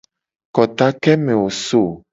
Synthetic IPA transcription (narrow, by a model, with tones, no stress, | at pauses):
kɔ˨t̪a˦kɛ˦mẽ˨wo˨so˦˨